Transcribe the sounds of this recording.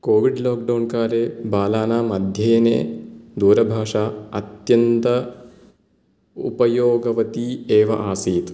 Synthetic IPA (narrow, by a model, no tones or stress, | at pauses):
koːʋiɖloːk̚ɖɐwnkaːɾeːbaːlaːnaːmɐd̪ʱjɐjɐnḛːd̪uːɾɐbʱaːʂaːɐt̪jɐnt̪ɐ | ṵpɐjoːɡɐʋɐt̪ieːʋɐ̰ʔaːsiːt̪